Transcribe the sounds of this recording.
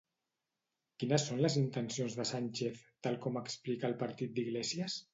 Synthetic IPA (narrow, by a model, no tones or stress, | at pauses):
kinəsːonləzint̪ənsionzðəsanʲt͡ʃeθt̪alˠkɔməksplikaːlˠpəɾt̪it̪̚d̪iɣlesiəs